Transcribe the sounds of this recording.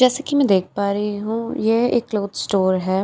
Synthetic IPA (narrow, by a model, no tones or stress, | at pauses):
d͡ʒɛːsekimɛ̃ːd̪eːk̚ʰpaːɾəiɦũːjeḛkːloːd̪sʈoːɾɦɛː